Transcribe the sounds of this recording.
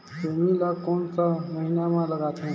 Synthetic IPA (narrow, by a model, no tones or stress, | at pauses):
soniləkoːnsəməɦinamãləɡat̪ʰũ